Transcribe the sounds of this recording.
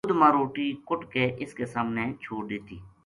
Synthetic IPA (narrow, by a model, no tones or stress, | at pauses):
ʊd̪mãːɾoːʈiːkʊʈkeːʔɪskesaːmneːt͡ʃʰoːʈd̪ɪːt̪ḭː